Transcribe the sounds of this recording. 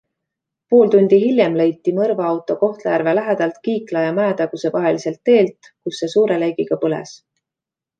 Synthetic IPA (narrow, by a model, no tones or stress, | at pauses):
poːld̪unʲd̪̥iɦilʲjemle̞jt̪ːimɤrvɑɑwt̪ːˑo̞ko̞ht̪lejærvelæɦed̪̥ɑlt̪kiːklɑjɑmæːt̪ɑɡ̥use̞vɑɦe̞lise̞lt̪ːe̞ːlt̪ | kusːe̞suːɾe̞lejɡ̥iɡ̥ɑpɤlḛs